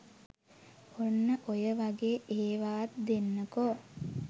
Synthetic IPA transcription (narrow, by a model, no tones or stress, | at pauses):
onːəʔojəʋaɡeːʔeːʋaːt̪̚d̪enːəko